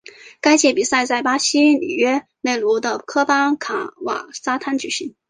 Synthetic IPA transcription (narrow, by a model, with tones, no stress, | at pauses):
ka˥ɪt͡ɕʰjɛ˥˩pi˨˩sa˥˧ɪt͡sa˥˩ɪpa˥ɕi˥nḭ˨˩ɥɛ˥ne˥˩ɪlu˧˥d̪ə˧kʰɤ˥fɑ˥ŋkʰa˨˥˩wa̰˨˩sa˥t̪ʰa˥nt͡ɕy˨˩ɕi˧˥ŋ